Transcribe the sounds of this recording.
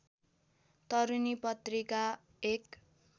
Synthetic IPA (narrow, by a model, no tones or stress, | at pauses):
t̪ʌɾunipʌt̪rika | ek